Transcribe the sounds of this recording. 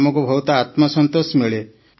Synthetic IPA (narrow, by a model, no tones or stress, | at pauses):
mɔkubʱɔwt̪ɔat̪mɔsɔnt̪osmeɭe